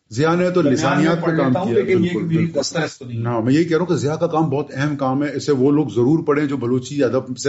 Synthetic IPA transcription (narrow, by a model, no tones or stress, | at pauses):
zɪjanet̪olɪzaːnijaːt̪̚ekaːmkiaɪlkʊl | namɛ̃ːjɐɦikɛɦɾaɦũkezɪjakakaːmbɔːt̪ɛɦɛmkaːmɦɛɪseʋoloːɡzɐɾuːɾpɐɽẽd͡ʒoːbɐloːt͡ʃiɐd̪əbse